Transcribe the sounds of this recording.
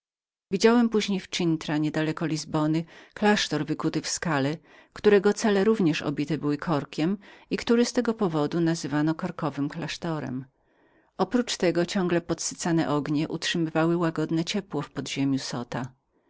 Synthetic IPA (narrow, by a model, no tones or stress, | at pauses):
vʲid͡ʑawɛmpuʑɲejft͡ʂint̪ɾaɲɛd̪alɛkɔlʲizbɔnɘklaʂt̪ɔɾvɘkut̪ɘfskalɛ | kt̪uɾɛɡɔt̪sɛlɛɾuvɲɛʂɔ̰bʲit̪ɛbɘwɘkʰɔɾkʲɛmikt̪uɾɛst̪ɛɡɔpɔvɔd̪unazɘvanɔkɔɾkɔvɘmklaʂt̪ɔɾɛ̰m | ɔpɾut͡ʂt̪ɛɡɔt͡ɕɔ̃ŋɡlɛpɔt̪sɘ̥t̪sanɛ̰ʔɔɡɲɛʔutʂɘmɘvawɘwaɡɔd̪nɛt͡ɕɛpwɔfpɔd̪ʑemʲjusɔt̪a